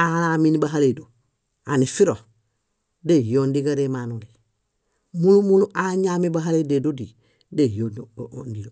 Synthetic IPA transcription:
alaminibaɦaledo | anifiɾo | dejoːndiɡaɾemanuli | mulumuluʔaɲamibaɦalededodi | dejondijo

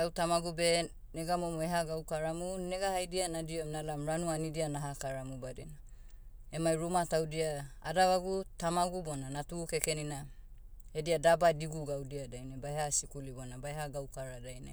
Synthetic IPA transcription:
awtamaɡube̞ | neɡamomoeɦaɡawkaɾamuneɡahajdianadioemnalamɾanuanidianaɦakaɾamubadḭna | emajɾumatawdiaa̰daβaɡutamaɡubonanatukekenina | ediadabadiɡuɡawdiadajnabaehasikulibonabaeɦaɡawkaɾadajna̰

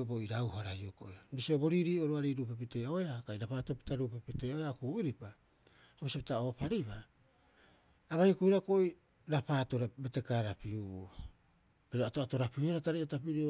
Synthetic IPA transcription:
boiɾawhaɾajoko̰iɾisiobo̞ɾiɾiːo̞ɾuaɾiɾupepite̞o̞eakaiɾapaːtopi̥taɾuːpepiteoeakuːiɾipa | hoβisipi̥tao̞paɾiβa | βajokuiɾako̞i | ɾapaːto̞ɾabetekaɾapiuo | biɾoatoato̞ɾapiueɾataɾejatapiɾio

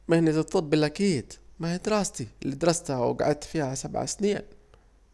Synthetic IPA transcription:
mahɪnːit̪ɨt̪ˤfˤʊb̪̚bɪlʔakiːd̪̥mahad̪ɾɑːst̪ilːid̪ɑɾˤɑst̪awɡa̰ʕad̪̚t̪fiːhasabʕa̰sniːn

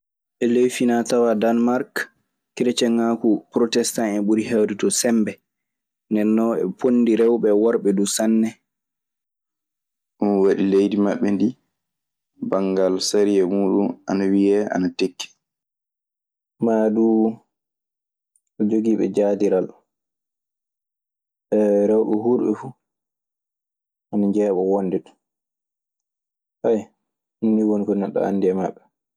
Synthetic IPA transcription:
ɓɛlejfinatawadanmaɾk | kiɾɛt͡ʃɛŋakupɾɔtɛstaŋɛɓuɾihawditɔsɛmbɛ | ndɛnːɔɛ̰pʰonːdiɾɛwɓɛwɔɾɓɛdusanːɛ | ʔunwaɗilejdimaɓːɛndi | baŋɡalsaɾijɛmuːɗunanawijɛʔa̰natekːi̥ | maːduː | ʔɔd͡ʒoɡiːɓɛ̰d͡ʒaːdiɾal | ɓɛɾawɗuɦuɾɓɛ̰fu | ʔanaɲd͡ʒɛːɓɔwondɛt | haj | nːiwonkɔnaɗːɔ̰a̰ndiɛmaɓːɛ

